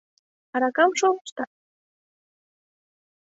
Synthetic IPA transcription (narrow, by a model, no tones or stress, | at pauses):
ɑɾɑkɑmʃo̥ʃt̪ɑ